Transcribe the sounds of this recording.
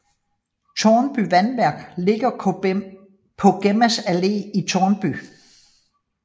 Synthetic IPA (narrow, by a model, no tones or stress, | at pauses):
t͡sʰɒːnb̥yʋænʋæɐ̰ɡ̥le̝ɡ̥ɐ | pʰɒ̽ɡ̥emæsæle̝̰ːit͡sʰɒːnb̥y